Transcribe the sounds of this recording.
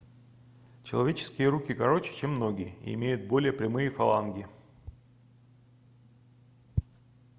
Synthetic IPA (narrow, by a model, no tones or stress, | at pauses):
t͡ɕɪlˠɐvʲet͡ɕɪ̥skʲɪjəɾukʲɪkɐɾo̞t͡ɕɪ̥t͡ɕemːno̞ɡʲɪjəḭɪ̰mʲejʊt̪̚bo̞lʲɪjəpɾʲɪmɨjəfɐlˠa̰nɡʲɪ